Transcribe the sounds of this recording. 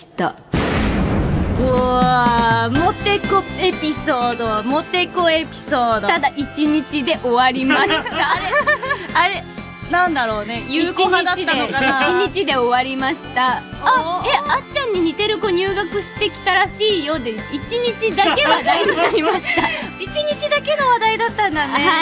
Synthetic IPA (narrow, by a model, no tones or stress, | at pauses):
i̥t̪a̰ | o | mot̪e̞koepʲisoːd̪o̞mot̪e̞koe̞pʲi̥so̞ːd̪t̪ad̪aʔit͡ɕiɲ̟it͡ɕid̪e̞ʔo̞βaɾʲimaɕi̥t̪aɾeaɾe̞ | nãnd̪aɾo̞ːne̞jɯiːt͡ɕioɲid̪aid̪eokaiɲ̟it͡ɕid̪e̞o̞βaɾʲimaɕi̥t̪a | eat̪ãɲ̟ːiɲ̟it̪e̞ɾɯ̟ko̞ɲ̟ɨːɡakɯ̟ɕi̥t̪e̞kʲi̥t̪aɾaɕiːjo̞d̪eit͡ɕiɲ̟it͡ɕid̪ake̞βad̪aiɯaɾʲimaɕi̥t̪ait͡ɕiɲ̟it͡ɕid̪ake̞no̞βad̪aid̪at̪ːãnd̪ane̞ha